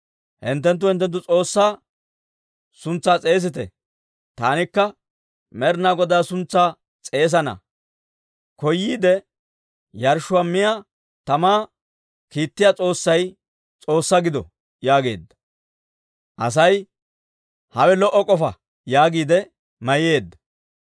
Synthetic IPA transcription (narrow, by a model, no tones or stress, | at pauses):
hɪ̰nt̪ːɛnt̪ːʊhɪnt̪ːɛnt̪̬ːʊt͡sʼo̞ːsːaː | sʊnt͡sːaːt͡sʼe̞ːs̬ɪt̪ɛ̰ | t̪aːnɪkːɐ | mɛɾnaːɡɔd̪aːsʊnt͡sːaː | t͡sʼe̞ːs̬ɐnɐ̰ | kɔjːiːd̪ɛ | jɐɾʃʊwamːɪja | t̪ɐmaː | kiːt̪ːɪjaːt͡sʼo̞ːsːɐj | t͡sʼo̞ːsːɐɡɪd̪ɔ̰ | jaːɡe̞̰ːd̪ːɐ̥ | ʔɐs̬ɐj | hɐwɛlɔʔːɔkʼɔfɐ | jaːɡiːd̪ɛ | mɐje̞ːd̪ːɐ